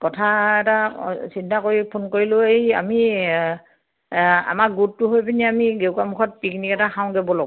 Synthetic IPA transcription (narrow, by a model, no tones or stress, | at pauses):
kɔtʰaɛtasintakoɹipʰonkoɹilʊeia̰mi | a̰maɡuttuɦojpiniamiɡewkamukʰɔt̚piknikɛtaxãʊ̃ɡɛbɔlɔɡ